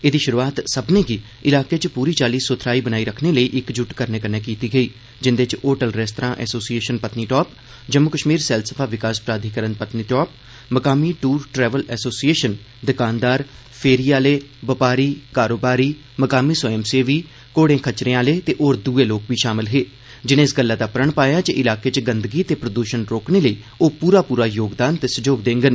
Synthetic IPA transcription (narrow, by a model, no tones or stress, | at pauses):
eːd̪iːʃʊɾuaːt̪səbneːɡiː | ɪlaːkeːt͡ʃpuːɾiːt͡ʃaːliːsot̪ʰɾaːiːbənaːiːɾəkʰneːləiːʔɪkd͡ʒʊʈkəɾneːkəneːkiːt̪iːɡəiː | d͡ʒɪnd̪et͡ʃoːʈəlɾɛːst̪ɾãːʔɛ̰ːsoːsieːʃənpət̪niːʈɔːp | d͡ʒəmːʊkəʃmiːɾsɛːlsəpʰaːʋɪkaːspɾaːd̪ʱikəɾənpət̪niːʈɔːp̚ | məkaːmiːʈuːɾʈɾɛːʋəlɛːsoːsieːʃən | d̪ɪkaːnd̪aːɾ | pʰeːɾiːaːleːbəpaːɾiːkaːɾoːbaːɾiː | məkaːmiːsəɛmseːʋiː | koːɽẽːkʰət͡ʃɾẽãːleːt̪eːʔoːɾd̪uːeːloːkʋiːʃaːmɪlɦeː | d͡ʒɪnẽːɪsɡəlːaːd̪aːpəɾəɳpaːjaːt͡ʃeʔɪlaːkeːt͡ʃɡənd̪əɡiːt̪eːpɾəd̪uːʃənɾoːkneːləiː | oːpuːɾaːpuːɾaːjoːɡd̪aːnt̪eːsəd͡ʒoːɡd̪ẽːŋɡən